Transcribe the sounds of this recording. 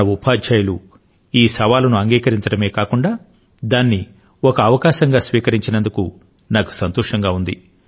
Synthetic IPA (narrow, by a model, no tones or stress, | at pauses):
ɐupaːd͡ʒd͡ʒaːjɐlu | iːsɐʋaːlɐnuɐŋɡiːkɐɾiɲt͡ʃɐɽɐme̞ːkaːkuɳɖaː | d̪aːnːi | ɔkɐːʋɐkaːʃɐŋɡaːsʋiːkɐɾiɲt͡ʃinɐnd̪uku | naːku̥sɐnt̪ɔːʂɐŋɡaːund̪i